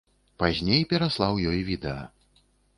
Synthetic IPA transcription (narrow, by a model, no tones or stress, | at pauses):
pazʲnʲejpʲɛɾaslˠawjɔjvʲid̪ɛɐ̰